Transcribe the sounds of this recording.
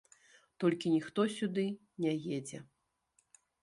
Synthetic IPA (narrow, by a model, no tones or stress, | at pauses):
t̪ɔlʲkʲinʲixt̪ɔsʲud̪ɨ | nʲɛjed͡zʲɛ̰